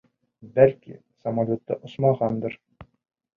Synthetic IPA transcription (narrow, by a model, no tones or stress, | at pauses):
bælkḭ | sɐmalʲot̪ːɤ̰ʔŏsmɑʁɑnd̪ɤ̆ɾ